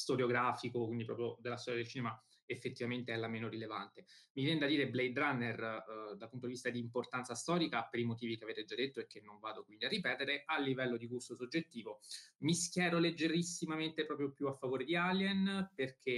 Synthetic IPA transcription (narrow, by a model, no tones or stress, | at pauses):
st̪oɾjoɡɾaːfikokwind̪ipɾɔ̰pɾjod̪elːast̪ɔɾjad̪elt͡ʃiːnema | efːet̪ːivament̪eɛlːameːnoɾilevant̪emivjɛned̪ad̪iːɾeblɛjd̪ɾanːerd̪alput̪od̪ivist̪ad̪iːmport̪ant̪sast̪ɔːɾikapeɾimot̪iːvikeaveːt̪ed͡ʒad̪ːet̪ːoek̟ːenːoɱvaːd̪okwind̪iarːipɛːt̪eɾeʔalːivɛlːod̪ikust̪osod͡ʒːet̪ːiːvomiskjɛːɾoled͡ʒːeɾisːimament̪epɾɔːpɾjopjuafːavoːɾed̪ialjɛnperk̟ʰe